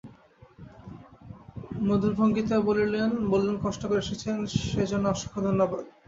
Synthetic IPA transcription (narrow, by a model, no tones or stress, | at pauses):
mod̪ʱulbʱoŋɡit̪ebolilenbolːunkɔʃʈokoɾeeʃet͡ɕʰenʃed͡ʑonːoɔʃi̥kʰːod̪ʱonːobad̪